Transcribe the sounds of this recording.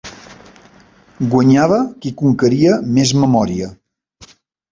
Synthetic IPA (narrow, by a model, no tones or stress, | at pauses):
ɡwəɲaβəkikuŋkəɾiəmezməmɔɾiə